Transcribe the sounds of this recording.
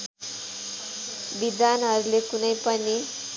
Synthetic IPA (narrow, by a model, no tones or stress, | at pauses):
bid̪anɦʌɾulekunʌjpʌni